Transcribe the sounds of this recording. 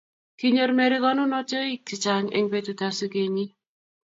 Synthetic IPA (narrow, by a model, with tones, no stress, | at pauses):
ki˦ɲo˨ɾme˨ɾɪ˦ɡɔ˦nʊ˦nɔ˦t͡ʃo˦i˦ki˨t͡ʃa˨ŋḛ˨ŋbe˦˨tu˨ta˨su˦ɡe˨ɲi˦